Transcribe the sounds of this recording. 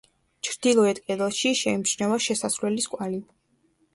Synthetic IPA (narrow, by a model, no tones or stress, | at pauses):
t͡ʃʰɾd̪̥ilˠɔɛt̪ʼkʼɛd̪ɛlˠʃiʃɛimʃnɛvaʃɛsasɾwlɛliskʼwali